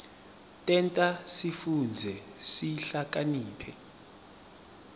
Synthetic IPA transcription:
tʼɛntʼasifund͡zʱɛsiɬak̬ʼaniːpʰɛ

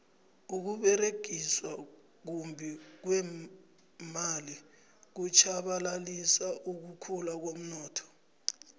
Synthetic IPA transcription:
uk̬uɓɛreɡ̥ʱiswa | k̬umbʱɛk̬wɛ | mali | k̬ut͡ʃʰaɓalalisaʔuk̬ukʰulak̬om̩nɔːtʰɔ̥

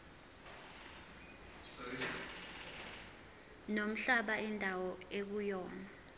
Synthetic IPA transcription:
nom̩ɬaɓaindʱawɔek̬ujɔːna

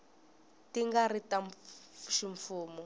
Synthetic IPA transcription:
tiŋɡaɾitaɱʃiɱfuːmɔ

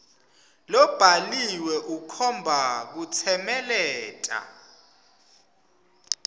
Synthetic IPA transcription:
lɔb̥ʱaliwɛʔukʰɔmbʱak̬ut͡sʰɛmɛlɛːtʼa̰

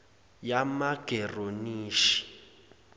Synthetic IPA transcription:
jamaɡ̥ʱɛroniːʃi̥

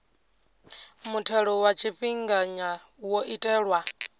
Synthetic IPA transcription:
mutʰɛɺɔwat͡ʃʰiɸiŋɡaɲa | wɔʔitʼɛːɺwa

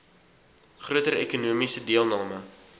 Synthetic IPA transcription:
χruətəɾḛkunuːəmisədiəlˠnɑːmə

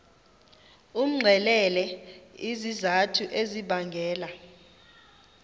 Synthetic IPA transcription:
um̩ŋ͡ǀʱɛlɛlɛizizatʰuʔeziɓaŋɡʱɛːla

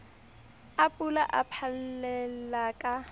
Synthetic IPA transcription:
apʼulaʔa̰pʰallɛlakʼa

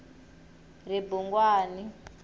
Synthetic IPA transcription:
ribuŋɡwaːni

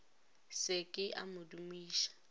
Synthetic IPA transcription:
sɪkʼɪʔa̰mʊdumiːʃḁ

